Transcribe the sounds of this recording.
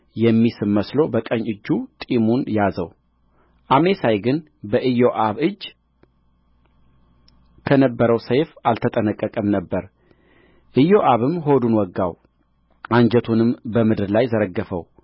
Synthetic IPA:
jɛmːisɨmːəslo̞bəkʼəɲːʔɨd͡ʒːut̪ʼimunjazəw | ʔame̞sajɡɨn | bəʔɨjo̞ʔaβɨd͡ʒː | kʰənəbːəɾəwsəjfalt̪ʰət̪ʼənəkʼːəkʼəmnəbːəɾ | ʔɨjo̞ʔaβɨmɦo̞d̪unwɔɡːaw | ʔaɲd͡ʒət̪ʰunɨmbəmɨd̪ɾlajzəɾəɡːəfə̰w

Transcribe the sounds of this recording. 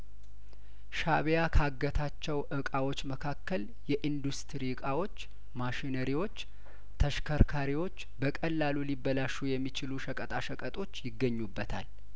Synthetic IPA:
ʃaβejakʰaɡːət̪ʰat͡ʃːɛwʔɨkʼawo̞t͡ʃːməkʰakːəl | jɛʔind̪ust̪ʰɾiɨkʼawo̞t͡ʃː | maʃinəɾiwo̞t͡ʃː | t̪ʰəʃkʰəɾkʰaɾiwo̞t͡ʃːbəkʼəlːalulibːəlaʃujɛmːit͡ʃɪluʃəkʼət̪ʼaʃəkʼət̪ʼo̞t͡ʃːjɪɡːəɲːubːət̪ʰa̰l

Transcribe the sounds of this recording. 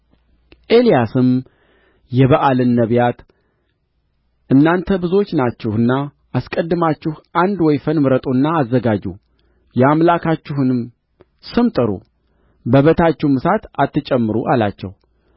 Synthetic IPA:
ʔe̞lijasɨm | jɛβəʔalɨnːəβjat̪ | ʔɨnːant̪ʰəbɨzo̞t͡ʃːnat͡ʃːɛhɨnːa | ʔaskʼəd̪ːɨmat͡ʃːɪhʔand̪wɔjfənmɨɾət̪ʼunːaːzːəɡad͡ʒṵ | jɛamlakʰat͡ʃːɪhɨnɨm | sɨmt̪ʼɨɾṵ | bəβət̪ʰat͡ʃːɛhmɨsat̪at̪ːɨt͡ʃʼɛmːɨɾuʔala̰t͡ʃːɛ̰w

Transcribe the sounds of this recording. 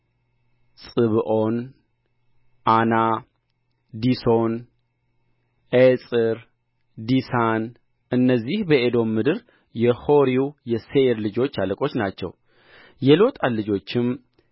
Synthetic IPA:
sʼɨβɨʔo̞n | ʔana | d̪iso̞n | ʔesʼɨɾ | d̪isan | ɨnːəzːihbəed̪o̞mːɨd̪ɨɾ | jɛho̞ɾiwjɛseeɾlɨd͡ʒo̞t͡ʃːaləkʼo̞t͡ʃːnat͡ʃːɛ̰w | jɛlo̞t̪ʼallːɨd͡ʒo̞t͡ʃːɪm

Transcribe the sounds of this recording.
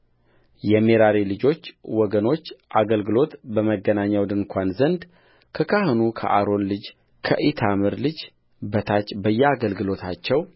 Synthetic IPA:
jɛmeɾaɾilɨd͡ʒo̞t͡ʃːwɔɡəno̞t͡ʃːʔaɡəlɡɨlo̞t̪bəməɡənaɲːawd̪ɨŋkʷʰanzənd̪ | kʰəkʰahɨnukʰə̰ʔaɾo̞nlɨd͡ʒ | kʰə̰ʔit̪ʰamɨɾlɨd͡ʒ | bət̪ʰat͡ʃːbəjːɛaɡəlɡɨlo̞t̪ʰat͡ʃːɛw

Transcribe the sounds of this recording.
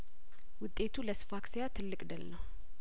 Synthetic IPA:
wʊt̪ʼːe̞t̪ʰuləsɨ̥faksijat̪ʰɨlːɨkʼd̪əlnəw

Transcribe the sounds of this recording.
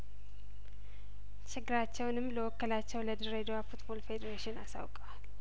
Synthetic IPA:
t͡ʃʰɪɡɨɾat͡ʃːɛwnɨmːləwɔkːəlat͡ʃːɛwləd̪ɨɾed̪owafut̪bo̞lfe̞d̪eɾaʃɪnasa̰wkʼəwal

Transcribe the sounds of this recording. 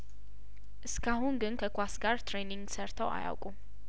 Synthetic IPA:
ʔɨskʰahunɡɨnkʰəkʰʷasɡaɾt̪ɾeniŋɡsəɾt̪ʰəwa̰ja̰wkʼu

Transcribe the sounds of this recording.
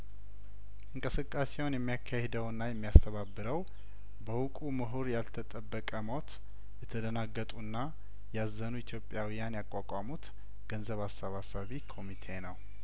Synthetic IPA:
ʔɨŋkʼɨsɨkʼːase̞wnjɛmːijakʰːahɛd̪əwɨnːajɛmːijast̪ʰəβabːɨɾəw | bəwukʼumɨɦuɾjalt̪ʰət̪ʼəbːəkʼəmo̞t̪ | jɛt̪ʰəd̪ənaɡːət̪ʼuɨnːa | jazːənuit̪ʰjo̞pʼjawijanjakʼːakʼamut̪ | ɡ̥ənzəβasːəβasaβikʰo̞mit̪ʰe̞nəw

